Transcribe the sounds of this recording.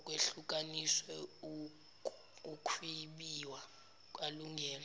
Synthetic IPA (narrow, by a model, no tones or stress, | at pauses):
kʼweɬuk̬ʼaniswɛu | ukʰwiɓiwa | kʼaluŋɡʱɛːl